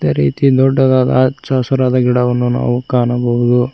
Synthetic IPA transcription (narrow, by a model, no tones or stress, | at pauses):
d̪eɾiːt̪id̪ɔɖːɐd̪aːd̪ɐ̰t͡ʃaːsɐɾaːd̪ɐɡiɽɐʋɐnːuna̰ːʋukaːɳɐbɐʋud̪u